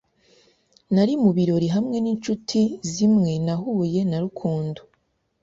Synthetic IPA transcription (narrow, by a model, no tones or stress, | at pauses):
naɾimuβiɾo̞ɾiɦamŋe̞niːnt͡ʃutʰizimŋe̞naɦuːje̞naɾukʰuːndo̥